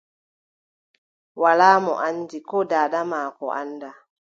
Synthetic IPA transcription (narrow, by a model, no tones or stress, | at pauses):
walaːmɔ̰ʔandikɔdaːdamaːkɔ̰ʔa̰nːda